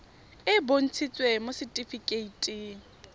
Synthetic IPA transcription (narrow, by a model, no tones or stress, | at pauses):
ɪbon̩t͡sʰit͡sʼwemosɪtʼifikʼeitʼi